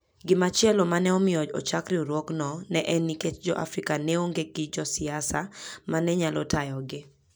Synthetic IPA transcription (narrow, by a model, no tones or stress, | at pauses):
ɡɪmat͡ʃɪɛlɔmanɛɔmɪɔd͡ʒɔ̰t͡ʃakɾiuɾwɔknɔnɛʔɛnːiket͡ʃd͡ʒɔʔa̰fɾikaneoŋɡeɡɪd͡ʒɔsɪasamanɛɲalɔtajɔɡɪ